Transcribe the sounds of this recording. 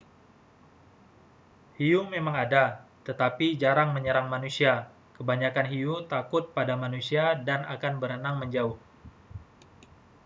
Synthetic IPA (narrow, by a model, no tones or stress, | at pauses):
hiumemaŋadat̪ət̪apid͡ʒaɾaŋməɲəɾaŋmanusia | kəbaɲakanɦiut̪akʊt̪̚padamanusiadana̰kanbəɾənaŋməɲd͡ʒaʊh